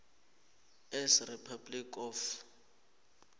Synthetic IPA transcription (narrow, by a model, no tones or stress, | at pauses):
ɛsripʰablikɔf